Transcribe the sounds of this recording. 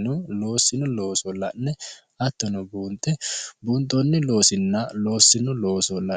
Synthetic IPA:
nɔlo̞ːsːɪnɔlo̞ːsɔlːɐnːɛ | ɐt̪ːɐnɔbuːnt̪ːɛbuːnt̪ːɔnːɪlo̞ːsɪnːɐlo̞ːsːɪnɔlo̞ːsɔlːɐ

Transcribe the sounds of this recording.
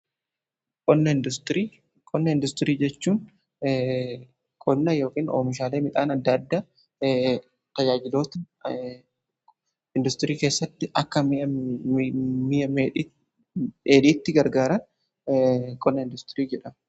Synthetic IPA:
kʼɔnːɐɪnd̪ʊst̪ɾiː | kʼɔnːɐɪnd̪ʊst̪ɪɾiːd͡ʒɛt͡ʃːuːn | kʼɔnːɐjo̞ːkiːno̰ːmɪʃaːleːmɪt̪ʼaːnɐd̪ːɐd̪ːaː | t̪ɐd͡ʒaːd͡ʒɪlo̞ːt̪ɐ | ɪnd̪ʊst̪ɪɾiːke̞ːsːɐt̪ːɪʔɐkːɐ | mijɐmː | eːᶑiːt̪ːɪɡɐɾɡaːɾɐn | kʼɔnːɐɪnd̪ʊst̪ɪɾiːd͡ʒɛᶑɐm

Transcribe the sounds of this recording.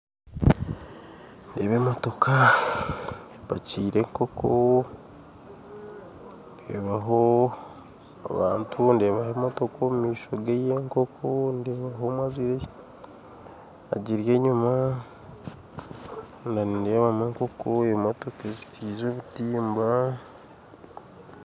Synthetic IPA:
ndeːβemoto̞kʰa | eβa̰ciːɾe̞ŋko̞kʰo | nde̞̰ːβaɦo | a̰βaːntʰunde̞ːβahemoto̞komumiːʃo̞ɡejeŋkokʰondeːβaɦo̞mwaziɾe | a̰ɟiɾje̞ɲuma | ndanindeːβameːŋko̞koeβmoto̞kezi̥tʰiːzoβutiːmba

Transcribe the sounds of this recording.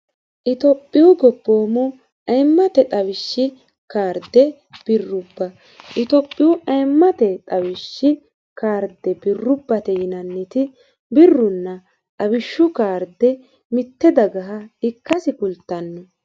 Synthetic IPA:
ʔɪt̪ɔpʼːɪwʊɡɔpːo̞ːmɔ | ʔɐjmːɐt̪ɛt̪ʼɐwɪʃːɪ | kaːɾd̪ɛ | b̥ɪrːʊbːɐ | ʔɪt̪ɔpʼːɪwʊʔɐjmːɐt̪ɛt̪ʼɐwɪʃːɪ | kaːɾd̪ɛbɪrːʊbːɐt̪ɛjɪnɐnːɪt̪ɪ | bɪrːʊnːɐ | t̪ʼɐwɪʃːʊkaːɾd̪ɛ | mɪt̪ːɛd̪ɐɡɐɦɐɪkːɐsɪkʊlt̪ːɐnːɔ

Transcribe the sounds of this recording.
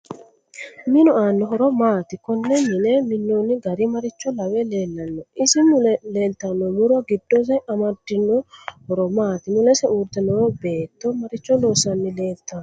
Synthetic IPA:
mɪnʊaːnːɔɦɔɾɔmaːt̪ɪkɔnːɛmɪnɛmɪnːoːnːɪɡɐɾɪmɐɾɪt͡ʃːɔlɐwɛleːlːɐnːɔɪsɪmʊle̞ːlt̪ːɐnːɔmʊɾɔɡɪd̪ːos̬ɐjʔɐmɐd̪ːɪnːɔhɔɾɔmaːt̪ɪmʊlɛsɛuːɾt̪ːɛnɔbe̞ːt̪ːɔmɐɾɪt͡ʃːɔloːsɐnːɪle̞ːlt̪ːan

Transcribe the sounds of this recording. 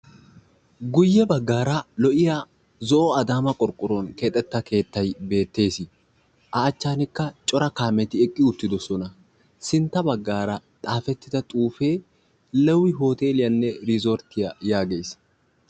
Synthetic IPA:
ɡʊjːɛbɐɡːaːɾɐlɔʔɪja | zɔʔɔɐd̪aːmɐkʼɔɾkʼːʊɾɔnkeːt̪ʼːɛt̪ːɐke̞ːt̪ːɐjbe̞ːt̪ːe̞ːsɪ | ʔɐːt͡ʃːaːnɪkːɐt͡ʃʼɔɾɐkaːmɛt̪ɪɛkʼːɪʊt̪ːɪd̪ɔsɔnɐ | sɪnt̪ːɐbɐɡːaːɾɐt̪ʼaːfɛt̪ːɪd̪ɐt̪ʼuːfe̞ː | lɛwːɪɦo̞ːt̪e̞ːlɪjɐnːɛɾɪzoɾt̪ɪjɐjaːɡe̞ːs

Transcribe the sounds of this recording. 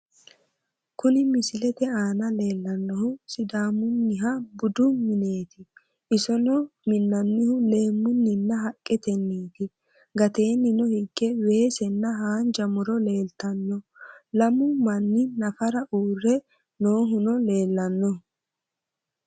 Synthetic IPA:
kʊnɪmɪsɪlɛt̪ɛaːnɐle̞ːlːɐnːɔhʊsɪd̪aːmʊnːɪɦɐbʊd̪ʊmɪne̞ːt̪ɪ | ʔɪsɔnɔmɪnːɐnːɪhʊle̞ːmːʊnːɪnːɐɦɐkʼːɛt̪ɛnːiːt̪ɪ | ɡɐt̪e̞ːnːɪnɔhɪɡːɛwe̞ːsɛnːɐɦaːnd͡ʒɐmʊɾɔle̞ːlt̪ɐnːɔlɐmʊmɐnːɪnɐfɐɾɐʔuːrːɛ | noːɦʊnɔle̞ːlːɐnːɔ

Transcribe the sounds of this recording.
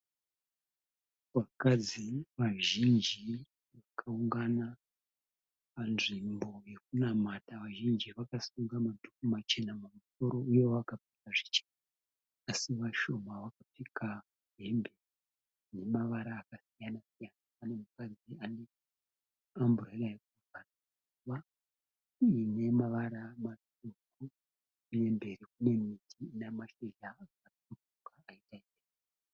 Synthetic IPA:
ʋakad͡ziʋaʒind͡ʒi | ʋakʰauŋɡana | panʐimbo̞je̞k̚unamataʋaʒind͡ʒiʋakasuŋɡamadʱukumat͡ʃe̞namumuso̞ɾo̞ujo̞ʋakap͡fi̥kaʐi̥t͡ʃe̥na | asiʋaʃo̞maʋakap͡fikʰa | uje̞mbe̞ri | ne̞maʋaɾaːkasijanasijanaːne̞mukad͡ziane̞ | ambureraekuutana | uʋa | ine̞maʋaɾamat | uku | uje̞mbe̞ɾikune̞mitʰinamaʃeɮaa | okukaaitaimber

